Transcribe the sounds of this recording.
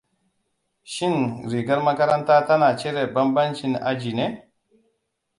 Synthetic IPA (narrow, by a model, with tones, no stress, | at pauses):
ʃi˦nɾi˨ɡa˦ɾma˦ka˦ɾa˦nta˦ta˦na˨t͡ʃe˦ɾe˨ba˦mba˦nt͡ʃi˦na̰˦d͡ʒi˨ne˦